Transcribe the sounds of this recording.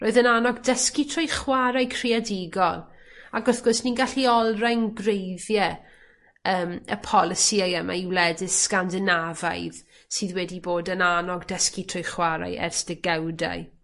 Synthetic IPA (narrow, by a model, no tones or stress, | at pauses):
roːɨðənanɔɡdəskitʰrɔjχwaɾajkʰrɪadɪɡɔlˠ | aɡɔθɡ̥ɔsniɡaɬiɔlˠrajnɡrejðjɛ | əːmə̰pʰɔlˠɪsiajəma̰iwlɛdɪskandɪnava̰jð | sɨːðwɛdiboːdənanɔɡdəskitʰrɔjχwaɾa̰jʔɛ̰rsd̥ɛɡawda̰j